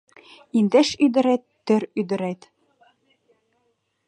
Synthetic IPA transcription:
ind̪eʃyd̪ɘ̆ɾæt̪ːɘ̆ɾyd̪ɘ̆ɾæt̪

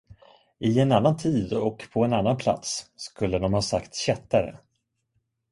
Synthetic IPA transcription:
ɪɛnanːant̪ʰiːd̪ɔkpʰɔɛnanːanpʰla̰t̪sːkɵlːəd̪ɔmhɑːsakt̪ɕɛt̪ːaɾə̰

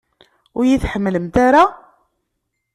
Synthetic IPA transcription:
ʊɾjiθħəmːləmt̪aɾa

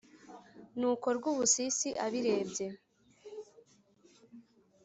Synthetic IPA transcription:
nuːko̞ɾɡuβusisiʔaβiɾe̞ːbɟe̞

